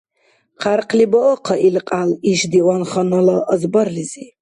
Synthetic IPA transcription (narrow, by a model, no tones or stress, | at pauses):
qʰarqʰliboqʰaʔilqʼaliʃdiwanχanalaʔːzbarlizi